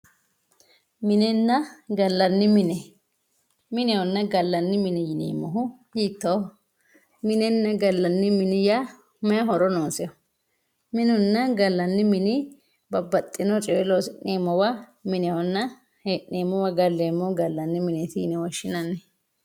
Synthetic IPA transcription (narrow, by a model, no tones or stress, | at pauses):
mɪnɛnːɐɡɐlːɐnːɪmɪnɛ | mɪnɛwɔnːɐɡɐlːɐnːɪmɪnɛjɪnḛːmːɔɦʊ | jiːt̪ːɐw | mɪnɛnːɐɡɐlːɐnːɪmɪnɪja | mɐjɐɦɔɾɔnoːsɪjɔ | mɪnʊnːɐɡɐlːɐnːɪmɪnɪ | bɐbːɐt̪ʼːɪnɔt͡ʃʼɛwɛlosɪneːmːɔwɐmɪnɛɔnːɐ | heʔneːmːɔwɐɡɐlːeːmːɔɡɐlːɐnːɪmɪnɛt̪ḭnɛwɐʃːɪnɐnːɛ